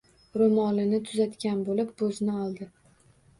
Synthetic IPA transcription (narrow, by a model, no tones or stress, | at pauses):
ɾomɒlɪnɪt̪ʰʊzat̪kʲanbolɪp̚boznɪɒlˠd̪ɪ